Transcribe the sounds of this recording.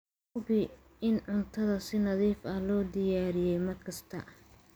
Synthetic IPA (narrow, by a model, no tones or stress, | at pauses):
bɪ | ɪnʕʊnt̪ʰɐðɐsɪnɐðiːfɐlɔːd̪ɪjaːɾɪjɛjmɐdkʰɐst̪ʰɐ